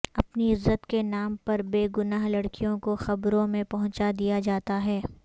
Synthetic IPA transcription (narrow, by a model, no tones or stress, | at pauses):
ɐpniɪzːət̪kenaːmpɐɾbeːɡʊnaːɦlɐɽkijõkoxɐbɾõmẽpɐɦʊ̃t͡ʃad̪ijad͡ʒaːt̪aɦɛː